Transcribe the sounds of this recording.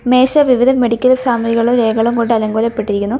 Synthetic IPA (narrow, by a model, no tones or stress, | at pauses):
me̞ːʂɐʋiʋid̪ʱɐme̞ɽikʲːɐlɐsaːmɐɾiɣɐɭumɾeːɡɐɭumko̞ɳɖɨɐlɐŋɡoːlɐpːe̞ʈːiɾikʲːunːu